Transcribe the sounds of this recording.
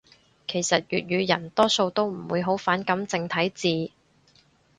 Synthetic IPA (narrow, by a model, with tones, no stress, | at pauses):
kʰe˨˩jsɐ˨t̚jyː˨t̚jyː˨˧jɐ˨˩nt̪ɔː˥so˧wt̪o˥wm̩˨˩wuː˨˧jɦo˨˥wfaː˨˥nkɐ˨˥mt͡sɪ˧ŋt̪ʰɐ˨˥jt͡siː˧